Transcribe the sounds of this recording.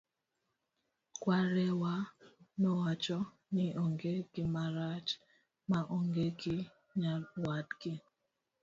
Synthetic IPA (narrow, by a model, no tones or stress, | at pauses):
kwaɾɛwanɔwat͡ʃɔ | niʔoŋɡekɪmaɾat͡ʃ | maʔoŋɡekɪ | ɲawadkɪ